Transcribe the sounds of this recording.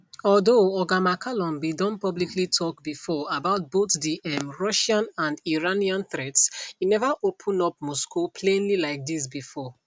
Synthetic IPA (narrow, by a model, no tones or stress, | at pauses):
ɔldoɔɡamakʰalɔ̃nbidɔ̃npɔbliklitʰɔkbifɔabaʊt̚b̥otdiʔɛmɹɔʃãnãndiɹaniãnθɹɛtsinɛvaʔopʰũnɔp̚mɔskupʰlẽnlilaɪk̚dis̬bifɔ